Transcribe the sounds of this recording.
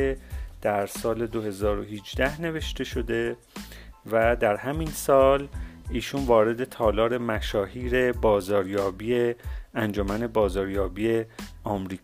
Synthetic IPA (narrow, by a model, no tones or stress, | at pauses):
ed̪̥æɾsɒːle̞d̪ohe̞zɒːɾo̞hid͡ʒd̪æhne̞ve̞ʃt̪e̞ʃo̞d̪e̞ | væd̪æɾhæminsɒːliːʃunvɒːɾe̞d̪e̞t̪ʰɒːlɒːɾemæʃɒːhiːɾe̞bɒːzɒːɾjɒːbiːeænd͡ʒomæne̞bɒːzɒːɾjɒːbiːe̞ɒːmɾiː